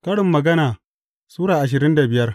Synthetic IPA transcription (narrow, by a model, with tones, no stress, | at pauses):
kɐ˦ɽɪ˨mːɐ˨ɡɐ˦naː˨ | suː˦ɽaː˨ʔa˨ʃ̬ɪ˨ɾɪ˦nda˨bɪ˨jɐ˦r